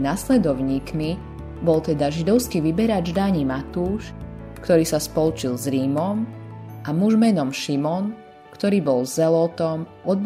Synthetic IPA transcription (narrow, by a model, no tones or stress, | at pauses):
naslɛd̪ɔʊɲiːkmi | bɔlt̪ɛd̪aʒid̪ɔʊskiʋibɛɾad͡ʒd̪aɲimat̪uːʃ | kt̪ɔɾiːsaspɔlut͡ʃilzɾiːmɔmamuʒmɛnɔmʃimɔn | kt̪ɔɾiːbɔlzɛlɔt̪ɔmɔd̪̚